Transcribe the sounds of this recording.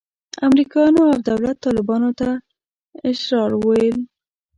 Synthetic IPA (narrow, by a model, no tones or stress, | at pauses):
amɾikɑjɑnoawd̪awlat̪ːɑlɪbɑnot̪a | ɪʃɾɑɾwojəl